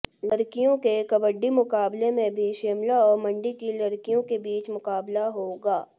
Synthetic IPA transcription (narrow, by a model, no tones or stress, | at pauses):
lɐɾkijõkekɐbəɖːimʊkaːblemẽbʱiʃeːmlaɔːɾmɐ̃ɳɖikilɐɾkijõkebiːt͡ʃmʊkaːblaɦoːɡaː